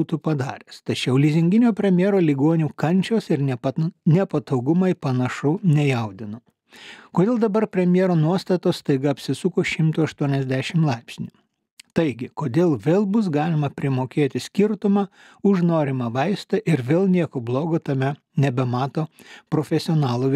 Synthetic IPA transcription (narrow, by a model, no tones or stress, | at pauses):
uːt̪upɐd̪ɑ̰ːɾʲeːst̪ɐt͡ʃʲɛʊlʲizʲɪŋʲɡʲɪnʲoːpʲɾʲɛmʲjeɛɾoːlʲɪɡoɔnʲuːkɐnʲt͡ʃʲoːsɪɾnʲnʲɛpɐt̪ɐʊɡʊmɐɪpɐnɐʃʊnʲɛjɛʊd̪ʲɪnoː | koːd̪ʲeːlˠd̪ɐbɐɾpʲɾʲɛmʲjeɛɾoːnuɔst̪ɐt̪oːsst̪ɐɪɡɐɐpʲsʲɪsʊkoːʃʲɪmt̪ʊːɐʃt̪uɔnʲɛzʲd̪ʲæːʃʲɪmlˠɑɪpʲsʲnʲuː | t̪ɐɪɡʲɪkoːd̪ʲeːlˠʋʲeːlˠbʊsɡɑːlʲɪmɐpʲɾʲɪmoːkʲeːt̪ʲɪsʲkʲɪɾt̪ʊmɑː | ʊʒnoːɾʲɪmɑʋɐɪst̪ɐʔɪɾʋʲeːlˠnʲiɛkoːblˠoːɡoːt̪ɐmʲɛ | nʲɛbʲɛmɑːt̪oːpɾoːfʲɛsʲɪoːnɑːlˠuːʋʲ